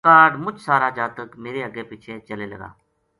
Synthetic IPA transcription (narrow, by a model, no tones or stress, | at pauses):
aːɾɖmʊt͡ʃʰsaːɾaːd͡ʒaːt̪əkmeːɾeːəɡeːpɪt͡ʃʰeːt͡ʃəleːlə̰ɡa̰ː